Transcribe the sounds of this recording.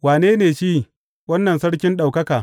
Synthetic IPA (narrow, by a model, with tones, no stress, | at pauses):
waː˨neː˦neː˨ʃiː˦ | wɐ˦nːɐ˨nsɐ˦ɽkʲɪ˦nɗa˨wkɐ˦kaː˨